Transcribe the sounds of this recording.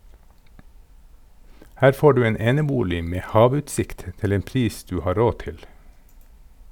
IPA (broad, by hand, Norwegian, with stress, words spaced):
ˈhæːɾ ˈfoː ˈɖʉː ə ˈeːnəˌbuːlɪ ˈmeː ˈhɑːˌʋʉːtsɪkt ˈtɪl ˈeːn ˈpɾiːs ˈdʉː ˈhɑː ˈɾoː ˈtɪl